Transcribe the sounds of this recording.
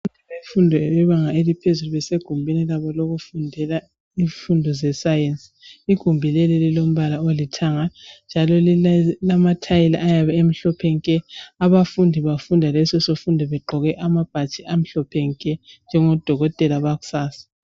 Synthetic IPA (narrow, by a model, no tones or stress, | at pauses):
untʰɛβefundʱɛβɛβaŋaelipʰezuluβɛseɡ̥ʱumbʱinilaβɔloɣufundʱɛla | iɱfundʱɔzɛsajensʼi̥iɡ̥ʱumbʱilelililom̩βalaolitʰaŋand͡ʒʱalɔllamatʰajilaʔajaβɛem̩ɬɔpʰɛŋkʼɛaβafundʱiβafundʱalɛsɛsofundʱiβɛǃʱɔɣɛʔamab̥ʱat͡ʃʼiʔam̩ɬɔpʰɛŋkʼɛnd͡ʒʱɛŋɔd̥ʱɔɣɔtʼɛlaβaɣu̥saːsḁ